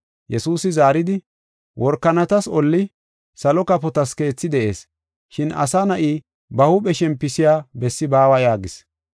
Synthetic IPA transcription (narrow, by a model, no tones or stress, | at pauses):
jɛsuːsɪzaːɾɪd̪ɪ | wʔɔɾkːɐnɐt̪ɐsɔlːɪ | sɐlɔkɐpɔt̪ɐske̞ːt͡sːɪd̪ɛʔe̞̰ːs | ʃɪnɐ̰saːnɐʔiː | bɐhʊɓɛʃɛmpːɪsɪjaːbɛsːɪbaːwɐjaːɡɪs